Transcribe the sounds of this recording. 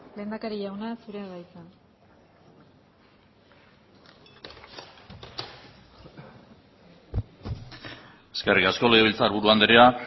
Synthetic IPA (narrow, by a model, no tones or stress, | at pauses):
le̞ːnd̪akaɾiʝawnasuɾeɣajt͡sa | e̞skerikasko̞le̞ɣ̞e̞βilt͡saɾβuɾuand̪eɾea